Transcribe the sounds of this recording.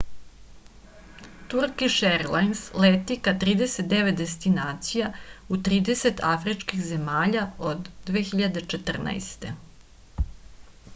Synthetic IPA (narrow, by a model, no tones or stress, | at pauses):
t̪uɾkiʃeɾlajnslet̪ikat̪ɾiːd̪e̞set̪̚d̪e̞ʋet̪̚d̪e̞st̪inaːt̪sijaut̪ɾiːd̪e̞se̞t̪afɾit͡ʃkixze̞maːʎaod̪ːʋeːxiʎad̪e̞t͡ʃet̪r̩na̰jst̪e̞